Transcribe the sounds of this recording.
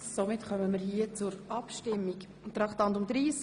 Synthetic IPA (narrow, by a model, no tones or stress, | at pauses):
somɪtχœməmiːɾhiːət͡sʊɾɑpʃtɪmːik | t̪ɾɑkt̪ɑnt̪ʊmd̪ɾiːs